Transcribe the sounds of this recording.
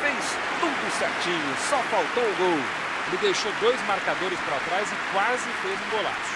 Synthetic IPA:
vejs | t̪ũt̪ʊsɛɾt͡ʃĩɲʊsɔfawt̪owʊɡowʊ | lɪd̪ejʃod̪ojzmaɾkad̪oɾɪspɾat̪ɾazɪkwazɪfezĩbola̰

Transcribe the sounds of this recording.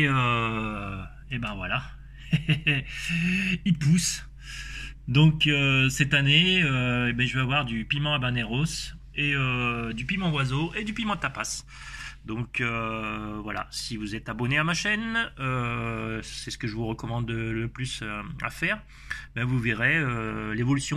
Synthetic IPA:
eø | ebɛ̃vwala | ilpus | d̪ɔ̃køsɛt̪aneøebɛ̃ʒəveavwaʁd̪ypimɑ̃abaneʁos | eød̪ypimɑ̃wazoʔed̪ypimɑ̃t̪apas | d̪ɔ̃kø | vwala̰sivuzɛt̪abɔneamaʃɛnø | sɛsə̥kəʒəvuʁəkɔmɑ̃d̪ləplysøa̰fɛːʁ | bɛvuveʁeølevɔlysjɔ̃

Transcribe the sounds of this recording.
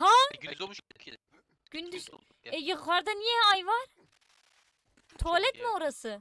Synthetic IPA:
ha | ɡ̥ynd̪yz | ɛjɯʁaɾd̪anijɛajvaɾ | t̪ʰolʲɛt̪moɾasɯ

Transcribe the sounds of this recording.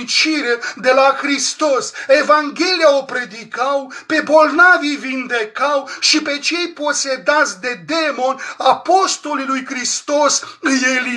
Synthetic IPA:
t͡ʃiɾed̪e̞laxɾist̪o̞se̞vaŋɡʲe̞lijaopɾe̞d̪ikawpe̞bo̞lnavijvind̪e̞kawʃipe̞t͡ʃe̞jpo̞se̞d̪at̪sʲd̪e̞d̪e̞mo̞napo̞st̪o̞lilujkɾist̪o̞sjeli

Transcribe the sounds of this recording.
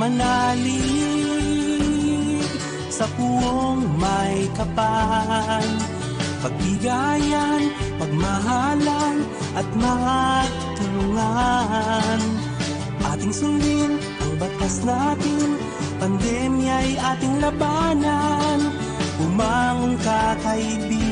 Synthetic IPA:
mɐnali | sɐpuoŋmɐjkɐpa | n | pɐɡ̚bɪɡajanpɐɡ̚mɐɦalɐn | ʔɐt̪̚mɐaɡ | t̪ʊlʊŋa | n | ʔaːt̪ɪŋsʊnd̪ɪn | ʔɐŋbɐt̪asnat̪ɪŋ | pɐnd̪ɛmjajʔaːt̪ɪŋlɐbanɐn | hʊmaŋonkɐkɐibi

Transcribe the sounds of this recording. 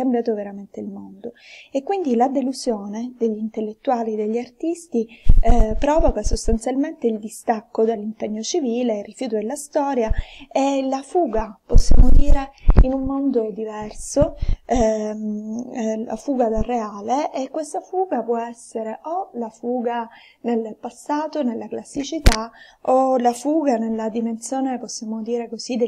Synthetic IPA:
kːambjaːt̪oveɾament̪eilmond̪oekːwind̪ilad̪eluzjoːned̪eʎːint̪elːet̪ːuaːlid̪eʎːiart̪ist̪i | pɾɔːvokasost̪ant̪sjalment̪eild̪ist̪akːod̪elːimpeɲːot͡ʃiviːleirːifjuːt̪od̪elːast̪ɔːɾjaelafuːɡaposːjaːmod̪iːɾeinumːond̪od̪ivɛrso | la̰fuːɡad̪areaːleʔːkːwest̪afuːɡapwɔɛsːeɾeʔolafuːɡa | nelpasːaːt̪onelːaklasːit͡ʃit̪a | olafuːɡanelːad̪iment̪sjoːneposːjaːmod̪iːɾekozid̪e

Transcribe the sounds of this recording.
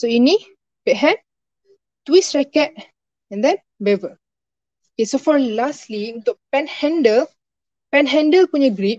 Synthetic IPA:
soini | bɛʔ̚ɦɛ̃n | t̪wisɹɛkɛt̚ | ɛ̃nd̪ɛ̃n | bɛvə | okesofɔlasliũnt̪ʊk̚pɛ̃nhɛ̃ndəl | pɛ̃nɦɛ̃ndəlpuɲaɡɾip̚

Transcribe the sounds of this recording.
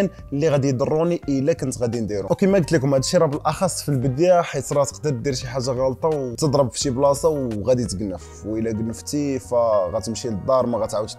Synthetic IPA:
n | lːiɣæd̪ijd̪ərˤːuniʔəlːækənt̪ɣæd̪ind̪iɾuwkimæɡət̪likʊmhæd̪ʃiɾˤɑbəlʔɑxɑsˤːfilbəd̪jaħit̪ɾˤɑt̪ə̥qd̪əɾd̪iɾʃiħaʒːaɣɑlt̪ˤɑwt̪əd̪ˤɾˤəbft̪iblɑsˤɑwɣæd̪it̪əɡənːəf | wʔəlːæɡənːəft̪ifæɣæt̪əmʃiləd̪ˤːɑɾˤmæɣæt̪ʕawət̪

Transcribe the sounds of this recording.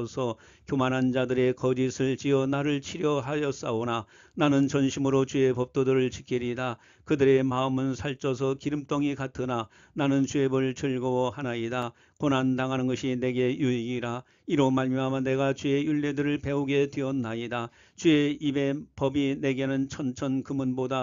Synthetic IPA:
sʰʌ | kjomanɦand͡ʑadɯɾe̞kʌd͡ʑisʰɯɭt͡ɕiʌnaɾɯɭt͡ɕʰiɾjʌɦajʌs͈aona | nanɯnt͡ɕʌnɕʰimɯɾot͡ɕue̞pʌp̚t͈odɯɾɯɭt͡ɕikʰiɾida | kɯdɯɾe̞maɯmɯnsʰaɭt͡ɕ͈ʰʌs̬ʰʌkiɾɯmt͈ʌŋikatʰɯna | nanɯnt͡ɕuebɯɭt͡ɕɯɭɡohanaida | konandaŋɦanɯnɡʌɕʰine̞ɡe̞juiɡiɾa | iɾomaɭmjʌɦamjʌne̞ɡat͡ɕue̞juɭːedɯɾɯɭpe̞oɡe̞tweʌnːaida | t͡ɕueibe̞pʌbine̞ɡe̞nɯnt͡ɕʰʌnt͡ɕʰʌnkɯmɯnboda

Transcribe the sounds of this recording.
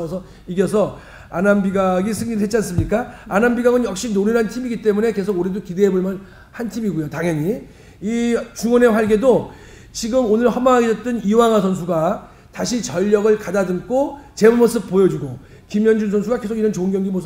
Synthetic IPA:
sʰʌ | iɡjʌsʰʌ | anambiɡaɡisʰɯŋɲiɾɯɦett͡ɕians͈ɯmɲik͈aanambiɡaŋɯnjʌk̚ɕ͈inoɾɯɾɦantʰimiɡit͈e̞mune̞ke̞s̬ʰoɡuɾedokide̞ɦeboɭmjʌn | hantʰimiɡojotaŋjʌɲi | it͡ɕuŋʌne̞ɸwaɭɡe̞do | t͡ɕiɡɯmonɯɭhʌmaɦaɡesʰʌt͈ɯniwaŋasʰʌns̬ʰuɡa | taɕʰit͡ɕʌʎːʌɡɯɭkadadɯŋk͈ʰot͡ɕe̞mumʌs͈ɯp̚p͈ojʌd͡ʑuɡo | kimjʌnd͡ʑuns̬ʰʌnsʰuɡake̞sʰoɡiɾʌnt͡ɕoŋɡjʌŋɡimos

